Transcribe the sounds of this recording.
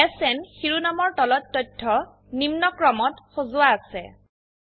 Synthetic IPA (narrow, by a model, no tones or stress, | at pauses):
ɛsɛnxiɹunamɔɹtɔlɔtːɔjtʰːɔ | nimnɔkɹɔmɔtxozʊwaːsɛ̰